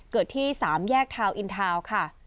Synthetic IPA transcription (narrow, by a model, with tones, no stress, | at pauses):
kɤː˨˩t̪ʰːiː˥˩saː˩˦mjɛː˥˩k̚t̪ʰaː˧wʔi˧nt̪ʰaː˧wkʰa˥˩